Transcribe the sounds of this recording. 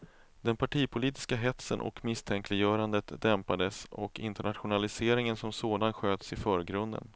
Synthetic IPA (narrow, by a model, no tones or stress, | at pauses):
d̪ɛnpʰaʈʰiːpʰʊliːt̪ɪ̥skaɦɛt̪sə̰nʔɔ̰kmɪst̪ʰɛŋklɪjœːɾand̪ət̪d̪ɛmpad̪əsɔ̰kɪ̰nt̪əɳat̪ɧʊnalɪseːɾɪŋənsɔmsoːd̪anɧøːt̪sɪfœːɾɡɾɵnd̪ə̰n